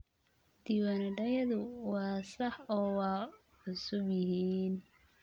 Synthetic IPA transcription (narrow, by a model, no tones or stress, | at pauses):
d̪̥iwɐnɖɐjɐðʊwɑːsɐħɔːwɑː | ħʊsʊbjɪɦiːn